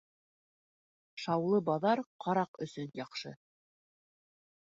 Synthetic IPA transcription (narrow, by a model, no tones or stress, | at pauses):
ʃɑwlˠɤbɑðɑɾqʰɑɾɑqɵ̆sɵnjɑqʃɤ̰